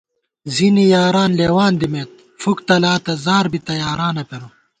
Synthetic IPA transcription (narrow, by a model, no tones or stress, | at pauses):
zinijaːɾaːnleːwaːnd̪imeːt̪̚ | fukt̪ɐlaːt̪ɐzaːɾbit̪ɐjaːɾaːnɐpeɾu